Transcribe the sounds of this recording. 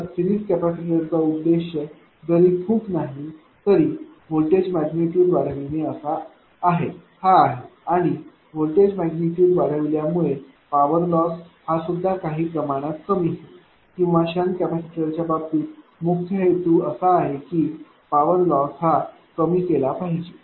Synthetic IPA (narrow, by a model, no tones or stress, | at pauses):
fiɾiskæpaseʈəɾt͡saud̪ːeɕə | ɡəɾiːt̪ʰũːknaɦi | t̪əɾiː | ʋolʈed͡ʑmæɡniʈjuːɖʋaɽ̤əʋineəsaː | ɦehaːɦeaɽ̃i | ʋolʈed͡ʑmæɡniʈjuːɖʋaɽəʋljamuɭe | paʋəɾlɔshasud̪ʱːakaɦiːpɾəmaɽ̃at̪kəmiːɦe | kĩw̃ʋaɕankæpase̥kʈəɾt͡ɕjababt̪iːmuk̚t̪ʰəɦet̪uːəsaːɦekiː | paʋəɾlɔsɦa | kəmiːkelapaɦid͡ʑe